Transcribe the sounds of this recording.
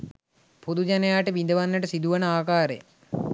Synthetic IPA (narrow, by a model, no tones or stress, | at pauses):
pud̪ud͡ʒanejaːʈəʋind̪əʋanːəʈəsid̪uʋənəaːkaːɾḛ